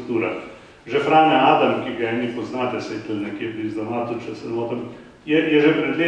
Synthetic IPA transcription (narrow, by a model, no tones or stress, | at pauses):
t̪uːɾa | ʒɛpɾaːnɛaːd̪ɐmkiɡɐɛːnipɔznaːt̪ɛsɛt̪əlnɛkjeːpɾizd̪ɐnaːt̪ut͡ʃɛsɛnoːt̪ɐm | jɛjɛʒɛpɾɛd̪leː